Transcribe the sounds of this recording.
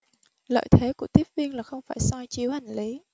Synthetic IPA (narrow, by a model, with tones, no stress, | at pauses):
lə̰ː˧˨jt̪ʰe˨˦ku˧˩ət̪i˦˥əp̚vi˧ənlaː˨˩xə˧wŋ͡mfaː˧˩jsɔ˧jt͡ɕi˨˦əwha˨˩jŋ̟li˨˦